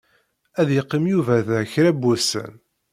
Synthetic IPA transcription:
æðjəqːimjuvæðçɾæbːæsə̰n

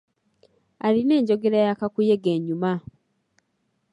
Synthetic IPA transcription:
aline̞ːɲɟo̞ɡe̞ɾajakakujeɡeɲuma

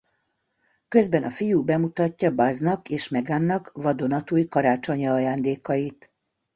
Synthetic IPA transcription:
kø̞zbɛnʔɒfijuːbɛmut̪ɒcːɒbɒznɒkeːʃmɛɡaːnːɒkvɒd̪o̞nɒt̪uːjkɒɾaːt͡ʃo̞ɲɒːjaːnd̪eːkɒjit̪

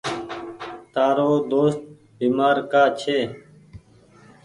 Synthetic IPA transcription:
t̪aːɾoːd̪oːst̪̚ | biːmaːɾkaːt͡ʃʰeː

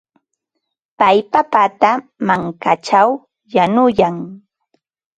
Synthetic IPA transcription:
pajpapat̪amaŋkat͡ʃaw | janʊjaŋ

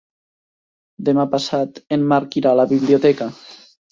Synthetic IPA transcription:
d̪emapasat̪emːaɾkiɾalaβiβliot̪ɛka

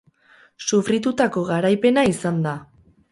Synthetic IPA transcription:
sufɾit̪ut̪ako̞ɣaɾajpe̞naisand̪a

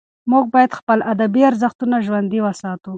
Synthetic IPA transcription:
mʊɡ̚bɑjad̪xpəlʔad̪abiaɾzaxt̪unaʒwand̪iwasɑːt̪u

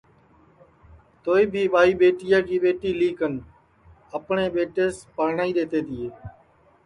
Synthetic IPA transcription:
t̪oːiːbʱiːɓaːiːɓeːʈɪjaːkiːɓeːʈiːliːkən | əpɳeːɓeːʈeːspəːɾɳaːiːɗ̪eːt̪eːt̪iːeː

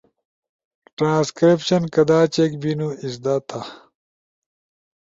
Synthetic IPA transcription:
ʈɾãːskɾipɕɐnkɐd̪aːt͡ɕekbinuisd̪at̪ʰa

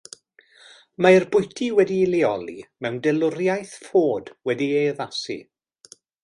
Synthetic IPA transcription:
maɪrbʊjtʰiwɛdiːliɔlˠimɛwndɛlˠʊɾjajθfoːdwɛdiejəðasḭ

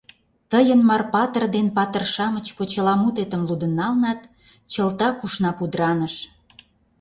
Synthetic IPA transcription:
t̪əjənmɑrpɑt̪ərd̪enpɑt̪ərʃɑmət͡ɕkot͡ɕəlɑmut̪et̪ə̆mlud̪ə̆nɑlnɑt̪ | t͡ɕəlt̪ɑkuʃnɑpud̪ɾɑnə̆ʃ

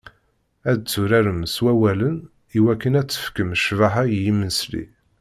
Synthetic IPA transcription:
æd̪t͡sːʊɾæɾəmswæwælən | iwækːənæt͡sːə̥fkəmʃvaɦajjimənslḭ

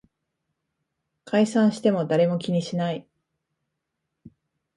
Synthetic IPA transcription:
kʰaisãɰ̃ɕi̥t̪e̞mo̞d̪aɾe̞mo̞kʲiɲ̟iɕinai

